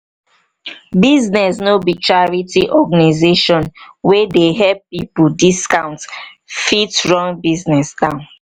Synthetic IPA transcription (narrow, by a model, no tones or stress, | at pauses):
biznɛsnobit͡ʃaɹitiʔɔɡanizeʃɔ̃nwedeɦɛppipudiskãʊ̃nt | fitɹɔ̃ŋbiznɛsdãʊ̃n